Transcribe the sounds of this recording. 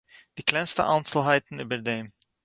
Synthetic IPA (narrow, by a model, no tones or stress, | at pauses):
d̥iːklɛɪnstə̰ʔaɪnt͡sl̩ˠɦaɪtn̩yːbəɹdeːm